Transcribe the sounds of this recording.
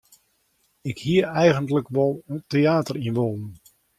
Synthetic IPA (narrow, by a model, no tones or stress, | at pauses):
ɪkhiəɛjɣəntləkʋɔlˠteaːtərinʋoːnən